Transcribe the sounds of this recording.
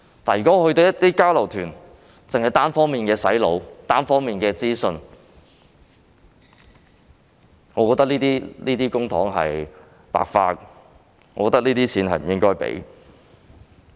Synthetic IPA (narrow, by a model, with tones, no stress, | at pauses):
t̪aː˨˩njyː˨˩kɔ˨˥˧hɵ˧t̪o˧wjɐ˥t̪iː˥kaː˥wlɐ˨˩wt̪ʰyː˨˩n | t͡sɪ˨ŋhɐ˨jt̪aː˥nfɔː˥ŋmiː˨nkɛː˧sɐ˨˥jlo˨˧wt̪aː˥nfɔː˥ŋmiː˨nkɛː˧t͡siː˥sɵ˧n | ŋɔː˨˧kɔː˧t̪ɐ˥k̚liː˥t̪iː˥liː˥t̪iː˥kʊ˥ŋt̪ʰɔː˨˥ŋɦɐ̰˨j | pa̰ː˨k̚fa̰ː˧k̚ | ɔː˨˧kɔː˧˥t̪ɐ˥kliː˥t̪iː˥t͡sʰiː˨˥nɦɐ̰˨jm̩˨˩jɪ˥ŋkɔː˥jpḛ˨˥j